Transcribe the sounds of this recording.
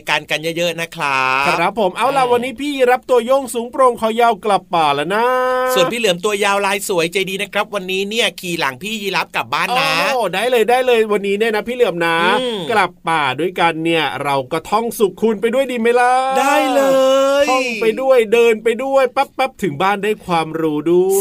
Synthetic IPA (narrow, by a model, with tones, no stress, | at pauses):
kaː˧nka˧njə˦˥jɤ˦˥ʔna˦˥kʰɾa˦˥a˧˩ɾa˦˥pʰːo˨˩˦mʔa˧˩wla˧˩wa˧nːiː˦˥pʰiː˥˩ji˧ɾa˦˥p̚t̪u˧ɐjo˥˩ŋsuː˨˦ŋpɾo˧ŋkʰa˨˧˩wjaː˧wkla˨˩ppːaː˨˩la˧˥na˦˥su˨˩əpʰiː˥˩lɯ˩˦əmt̪u˧ɐjaː˧wlaː˧jsu˨˩˦əjt͡ɕa˧jdiː˧na˦˥kʰɾa˦˥p̚wa˧nːiː˦˥ni˥˩ɐkʰiː˨˩la̰˩˦ŋpʰiː˥˩jiː˧la˦˥p̚ka˨˩p̚baː˥˩nːaː˦˩daː˥˩jlɤː˧jdaː˥˩jlɤː˧jwa˧nːiː˦˥ni˥˩ɐna˦˥pʰiː˥˩lɯ˩˦əmnaː˦˥kla˨˩pːaː˨˩du˥˩əjka˧nːi˥˩ɐɾa˧wkɔ˥˩t̪ʰɔ˥˩ŋsu˨˩k̚kʰu˧np̬a˧jdu˥˩əjdiː˧ma˦˥jla˦˥daː˥˩jlɤː˧jɔ˥˩ŋpa˧jdu˥˩əjdɤː˧npa˧jdu˥˩əjpa˦˥pːa˦˥p̚t̪ʰɯ˩˦ŋbaː˥˩ndaː˥˩jkʰwaː˧mɾuː˦˥du˥˩j